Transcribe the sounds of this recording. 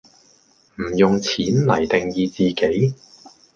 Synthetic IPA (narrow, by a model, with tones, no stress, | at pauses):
m̩˨˩jʊ˨ŋt͡sʰiː˨˥nlɐ˨˩jt̪ɪ˨ŋjiː˧t͡siː˨ke˨˥j